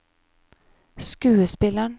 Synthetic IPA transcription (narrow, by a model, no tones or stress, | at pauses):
skʉːəspɪləɳ